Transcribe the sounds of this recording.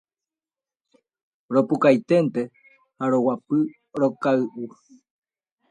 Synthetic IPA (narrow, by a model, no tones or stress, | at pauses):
ɾopukajt̪ent̪e | haɾowapɨ | ɾokaɨʔu